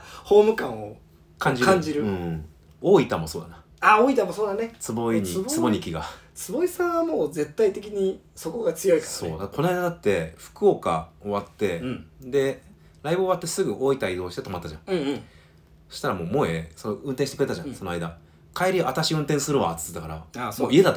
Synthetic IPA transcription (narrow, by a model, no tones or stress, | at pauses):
ho̞ːmɯ̟kãɰ̃o | kʰãɲ̟d͡ʑiãɲd͡ʑiɾɯɯ̟̃ | oːit̪amo̞soːd̪ana | aoːit̪amosoːd̪anet͡sɨbo̞iɲit͡sɨbo̞ɲ̟ikʲiɡat͡sɨbo̞isãɰ̃βamoːze̞t̪ːait̪e̞k̬ʲiɲ̟iso̞ko̞ɡat͡sɨjo̞ikḁso̞ːd̪akkʰo̞noaid̪ad̪at̪ːe̞ɸɯ̟̥kɯoka̰o̞βat̪ːe̞d̪e̞ | ɾaibɯ̟ːβat̪ːe̞sɨɡɯ̟ʔo̞ːit̪aid̪o̞ːɕi̥t̪e̞t̪o̞mat̪ːaʑã̰ŋ | ssoɕi̥t̪aɾamo̞ːmoeso̞noɯ̟̃nt̪ẽɕitekɯɾe̞t̪aʑãsonoaid̪a | kʰaeɾʲiʔat̪aɕiɯ̟̃nt̪ẽ̞ɰ̃sɨɾɯβa̰ːt͡sɨ̥t͡sɨd̪akaɾa̰amoie̞d̪at̪ː